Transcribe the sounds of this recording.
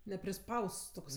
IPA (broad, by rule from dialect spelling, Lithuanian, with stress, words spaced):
nʲɛpʲrʲɪˈspɐʊsts toːkˈsɐɪ